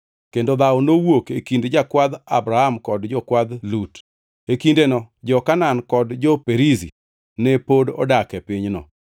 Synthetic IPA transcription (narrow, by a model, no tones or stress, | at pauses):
kendod̪aɔnowokekindd͡ʒakwad̪abɾahamkɔdd͡ʒɔkwad̪lut | ekindenɔd͡ʒɔkanankɔdd͡ʒɔpeɾizi | nɛpodɔ̰dakɛpɪɲnɔ̰